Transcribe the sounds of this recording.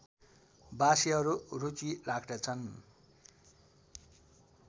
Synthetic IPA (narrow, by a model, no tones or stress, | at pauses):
basiɦʌɾurut͡silaɡʰd̪ʌt͡sʰʌn